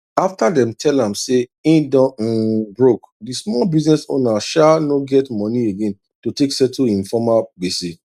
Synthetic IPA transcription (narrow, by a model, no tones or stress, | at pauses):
aftadɛ̃mtʰɛlãmseĩdɔ̃bɹok | dismɔlbiznɛso̰naʃanoɡɛtmɔ̃nieɡẽn | toteksɛtuĩnfɔmabesi